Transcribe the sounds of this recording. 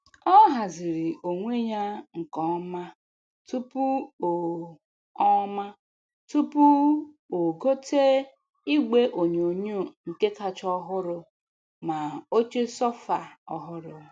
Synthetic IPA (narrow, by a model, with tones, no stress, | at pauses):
ɔ˦ɦa˨zi˨ɾi˨ʔo˨ŋʷe˦ɲa˦ŋ̩˨kɔ˨˦ma˦ | tu˦pu˦o˨ | ɔ˦ma˦ | tu˦pu˦ | o˨ɡo˦tʰe˦ | i˦ɡe˦ʔo˨ɲ˨o˨ɲu˦˨ŋ̩˨ke˦ka˨t͡ʃɔ˦ɦʊ˦ɾʊ˦ | ma˨o˦t͡ʃe˦sɔ˦fa˨ɔ˨ɦʊ˦ɾʊ˨